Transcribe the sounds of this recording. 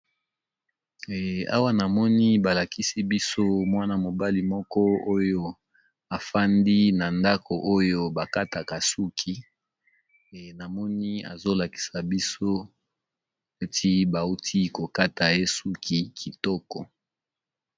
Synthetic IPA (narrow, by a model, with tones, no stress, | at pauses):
a̰˦wa˦na˨mɔ˦ni˦ba˨la˨ki˦si˦bi˦so˦mwa˦na˨mo˨ba˦li˨mɔ˦kɔ˦o˦jo˦ | a˨fa˦ndi˦na˨nda˦kʰo˨ʔo˦jo˦ba˨ka˦ta˨ka˨su˦kʰi˦˨ | na˨mɔ˦ni˦a̰˨zo˦la˨ki̥˨sa˨bi˦so˦ | e˦tʰi˦ba˨u˦tʰi˦ko˨ka˦ta˨je˦su˦kʰi˨kʰi˨tɔ˦kɔ˨